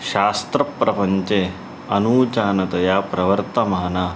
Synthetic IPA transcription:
ɕaːst̪ɾɐpːɾɐpɐɲt͡ʃe | ɐnuːt͡ʃaːnɐt̪ɐjaːpɾɐʋɐɾt̪ɐmɐɦɐnaː

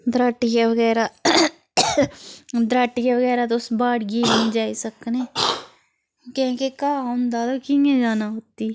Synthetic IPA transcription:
d̪ɾəʈːjaʋəɡɛːɾaː | d̪ɾəʈːjaːʋəɡɛːɾaːt̪̬oʊsbaːɽɡiːmə̃d͡ʒaːiːsəkneː | kẽːkekaːʊ̃nd̪aːt̪okiːẽːd͡ʒaːnaːɦoːt̪iː

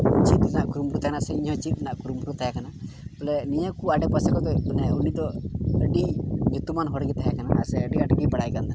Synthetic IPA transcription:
t͡ʃit̪̚naʔkuɾumɾut̪ʰakanasɛiɲɦɔ̃t͡ʃit̪̚naʔkuɾumuɾut̪ʰaɦakanabɔlɛnijakuaɖɛpəsakɔt̪ɔunɛunid̪ɔəɖiɲut̪umanɦɔɽɡit̪ʰaɦakanaːsɛəɖiaʈɡipaɽajkand̪ɛn

